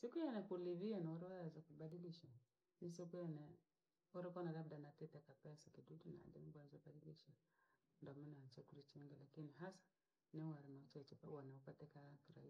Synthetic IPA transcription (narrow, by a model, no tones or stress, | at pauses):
sikujanɛkuliβiɛnaɔɾɛwazakubadiliʃa | nisikujanɛ | ɔɾikɔnalabdanatitɛkapɛsakidudina̰dɛmbuazɔbadiliʃa | ndɔmɛnat͡ʃɛkuɾit͡ʃiŋɡɛlakiniɦasḁ | niwaɾɛmat͡ʃat͡ʃɛpawanaɔpatɛkakiɾa̰i